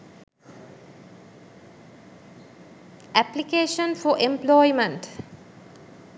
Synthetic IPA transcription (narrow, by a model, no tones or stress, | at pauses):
ʔæplikeːʃə̃nfɔʔẽmplɔɪmə̃nʈ